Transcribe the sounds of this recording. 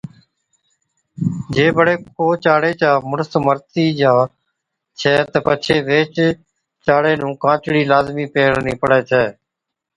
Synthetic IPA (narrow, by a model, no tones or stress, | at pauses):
d͡ʒeːbəɽeːkʰoːt͡ʃaːɽeːt͡ʃaːmʊnəst̪məɾt̪iːd͡ʒaː | t͡ʃʰɛːt̪əpət͡ʃʰeːʋeːt͡ʃ | t͡ʃaːɽeːnũːkãːt͡ʃɽiːlaːzmiːpeːɽnĩːpəɽɛːt͡ʃʰɛː